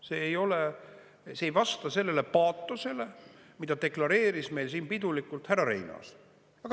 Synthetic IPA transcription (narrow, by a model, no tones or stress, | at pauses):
seːjo̞le | seːjvɑst̪ɑse̞lːe̞le̞pɑːt̪ːˑuse̞le̞ | mid̪ɑt̪e̞klɑɾe̞ːɾisme̞jlsiːnpid̪̥ulikːult̪hærɑɾe̞̰jnɑ̰s | ɑk